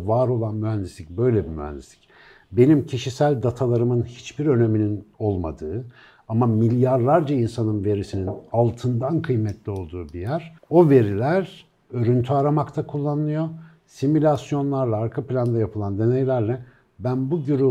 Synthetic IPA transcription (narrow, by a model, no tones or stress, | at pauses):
vaːɾo̞lˠanmyɦænd̪islʲicbø̞jlʲebimyhæ̰nd̪islʲi̥c | be̞nimcʰiʃisælʲd̪at̪ʰalˠaɾɯmɯnhi̥t͡ʃbiɾø̞ne̞minino̞lˠma̰d̪ɯː | amamilʲjaɾlˠaɾd͡ʒainsanɯnve̞ɾisininalˠt̪ʰɯnd̪ankʰɯjmɛt̪ʰlʲio̞lˠd̪uːbijæɾ̥o̞ve̞ɾilʲæɾ | ø̞ɾynt̪ʰyaɾamakt̪ʰakʰulˠːanɯnˠɯjo̞ | similʲasjo̞nlˠaɾlˠaːɾkʰaplʲand̪ajapʰɯlˠand̪e̞nɛjlʲæɾlʲɛ | bænbuɟyɾy